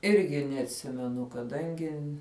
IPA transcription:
ˈɪrʲɡʲɪ nʲɛɐtʲˈsʲɪmʲɛnʊ kɐˈdɐŋʲɡʲɪ

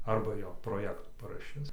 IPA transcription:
ˈɐrbɐ joː proːˈjæːktuː pɐrɐˈʃʲɪs

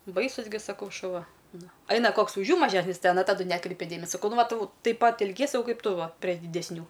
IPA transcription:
ˈbɐɪsʊs ɡʲɪ sɐˈkɐʊ ʃʊˈʋɐ ˈnʊ ˈɐɪnɐ ˈkoːks ʊʃ ˈjuː mɐˈʒʲæːsʲnʲɪs ˈtʲɛn ɐ tɐˈdʊ ˈnʲæːkrʲɛɪpʲɛ ˈdʲeːmʲɛsʲoː ˈʋɐ ˈtʊ tɐɪp ˈpɐt ɛlʲˈɡʲiɛsʲɪ sɐˈkɐʊ ˈkɐɪp ˈtʊ ˈʋɐ pʲrʲɛ dʲɪdʲɛsʲˈnʲuː

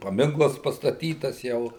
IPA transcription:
pɐˈmʲɪŋklˠɐs pɐstɐˈtʲiːtɐs ˈjɛʊ

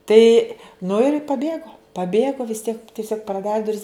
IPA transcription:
ˈtɐɪ nʊ ɪr pɐˈbʲeːɡoː pɐˈbʲeːɡoː ʋʲɪs tʲiɛk tʲɪˈsʲoːk prɐˈdɑːrʲɪ dʊˈrʲɪs

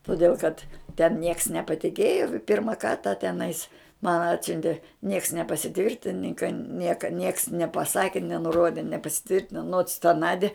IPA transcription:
toːˈdʲeːlˠ kɐt tʲɛn nʲiɛks nʲɛpɐˈtʲɪkʲeːjoː ˈpʲɪrmɐ ˈkɐrtɐ tʲɛˈnɐɪs mɐn ˈɑːtʲsʲʊnʲtʲeː nʲiɛks nʲɛpɐsʲɪˈtʲʋʲɪrʲtʲɪnʲɪŋkɐ ˈnʲiɛkɐ nʲiɛks nʲɛpɐˈsɑːkʲɪ nʲɛnʊˈroːdʲɪ nʲɛpɐsʲɪˈtʲʋʲɪrʲtʲɪnoː noːts tɐ ˈnɑːdʲɪ

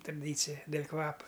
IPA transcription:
trɐˈdʲiːt͡sʲɪjɛ dʲɛlʲ ˈkʋɑːpɐ

